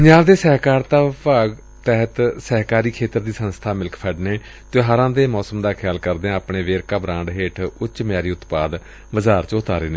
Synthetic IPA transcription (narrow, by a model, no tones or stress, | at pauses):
pəɲd͡ʒaːʋd̪eːsɛɦkaːɾt̪aːʋpaːɡ | t̪ɛːɦət̪sɛɦkaːɾiːkʰeːt̪əɾd̪iːsənst̪ʰaːmɪlkpʰɛːɖneː | t̪ʊɦaːɾãːd̪eːmɔːsəmd̪aːkʰjaːlkəɾd̪eːãapɳeːʋeːɾkaːbɾãːɳɖɦeːʈʰʊt͡ʃmɪjaːɾiːʊt̪paːd̪ | ʋəzaːɾt͡ʃʊt̪aːɾeːneː